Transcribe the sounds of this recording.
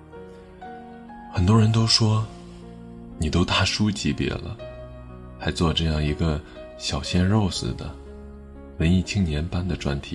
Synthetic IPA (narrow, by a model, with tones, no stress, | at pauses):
xə˨˩nt̪wɔ˥ɻə˧˥nt̪o˥ʊʂwɔ˥ | ni˨˩t̪o˥ʊt̪a˥˩ʂu˥t͡ɕi˧˥pjɛ̰˨˩lə̰˦ | t͡sa˧˥ɪt͡swɔ˥˧ʈ͡ʂɤ˥˧jɑ˥˩ŋi˧˥ɡə˧ | ɕjɑ˨˩ʊɕjɛ˥nɻo˥˩ʊsɹ̩˨˩d̪ə̰˩ | wə˧˥ni˥˩t͡ɕʰi˥ŋnjɛ˧˥npa˥nd̪ə˨ʈ͡ʂwa̰˥nt̪ʰi˨˩˦